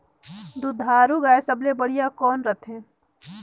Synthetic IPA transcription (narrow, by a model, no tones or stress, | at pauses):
d̪ud̪ʱaːɾuɡaːesəblebəɽijakɔːnɾət̪ʰɦɛ̃ː